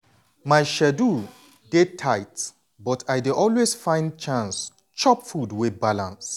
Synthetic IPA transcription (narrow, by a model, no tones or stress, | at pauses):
maɪʃɛdu | detʰaɪt | bɔtʰaɪdeʔɔlwesfãɪ̃nd̚t͡ʃãns | t͡ʃɔpfudwɪθbalãns